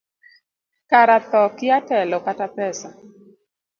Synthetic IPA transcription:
kaɾat̪ɔkɪatɛlɔkatapɛsa

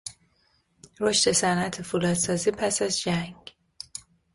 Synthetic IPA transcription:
ɾo̞ʃt̪e̞sænʔæt̪ʰefulɒːd̪̥sɒːziːpʰæsæzd͡ʒæŋɡ̥

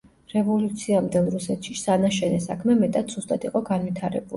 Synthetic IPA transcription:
ɾɛvɔlut̪sʰiamd̪ɛlˠɾusɛt̪ʰʃisanaʃɛnɛsakʰmɛmɛt̪ʼat̪z̥ust̪ʼad̪ʰiqʼɔɡanvit̪ʰaɾɛ̰buli

